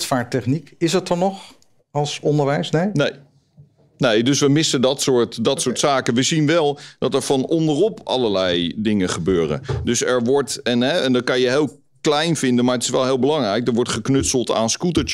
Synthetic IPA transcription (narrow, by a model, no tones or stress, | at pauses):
tfaːtɛχnikɪsət̚ɑnɔχ | ɑlˠsɔndəɹʋɛjsnejnej | nejdɵsʋəmɪsədɑtsʊːɹtdɑtsʊːɹtsaːkənʋəzinʋɛlˠd̥ɑtɛɹv̥ɑnɔndərɔpɑ̰lˠəɹlɛjdɪŋəχəbøːrə̰dɵsɛɹʋɔɹtɛnɦɛɛndɑt̚kɑnjəɦeːlˠ | klɛjnvɪndənmaːɹətɪ̥sʋɛlˠɦɪːlˠbəlɑŋrɛjk̚dɛɹʋɔɹtχəknɵtsəlˠta̰ːnskutət͡ʃ